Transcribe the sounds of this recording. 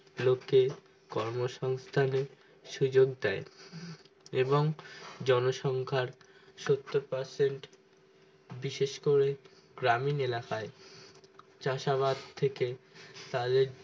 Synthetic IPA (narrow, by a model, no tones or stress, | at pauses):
lokːe | kɔɾmoʃɔŋst̪ʰaneɾ | ʃud͡ʑoɡ̚d̪ɛe | eboŋd͡ʑɔnoʃɔŋkʰaɾ | ʃot̪ːoɾpaɾseɳʈ | biʃeʃkoɾe | ɡ̥ɾaminelakae | t͡ɕaʃaβad̪̚t̪ʰeket̪ad̪eɾ